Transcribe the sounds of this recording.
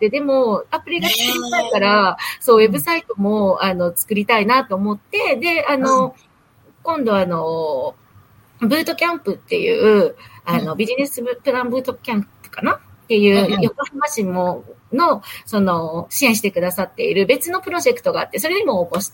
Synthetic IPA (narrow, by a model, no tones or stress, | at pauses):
d̪ed̪e̞mo̞apɯ̟ɾʲiɡakiakaɾaso̞ːwe̞bɯ̟sait̪o̞mo̞ano̞t͡sɨ̥kɯ̟ɾʲit̪ainat̪o̞ːmo̞t̪ːe̞d̪e̞ano̞ | kõ̞nd̪o̞ano̞ | bɯ̟ːt̪o̞kʲãmpɯ̟t̪ːe̞̰jɯ̟̰ːɯ̟ano̞bʲiʑine̞sɨpɯ̟ɾãmbɯ̟ːt̪o̞kʲãmppɯ̥kana | t̪ːe̞jɯ̟ːjokohimaɕimõno̞so̞no̞ɕiẽɕ̬i̥t̪e̞kɯ̟d̪asat̪ːe̞̰iɾɯ̟be̞t͡sɨno̞pɯ̟ɾo̞ʑe̞kɯ̟t̪o̞ɡaːt̪ːe̞so̞ɾe̞d̪emo̞ːko̞ɕi̥t̪